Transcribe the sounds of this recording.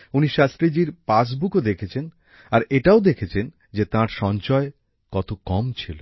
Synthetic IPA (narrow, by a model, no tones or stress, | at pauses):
uniʃast̪ɾid͡ʑiɾpas̬bukod̪ekʰet͡ɕʰen | aɾeʈaod̪ekʰet͡ɕʰen | d͡ʑet̪ãɾʃɔnt͡ɕɔe | kɔt̪okɔmt͡ɕʰilo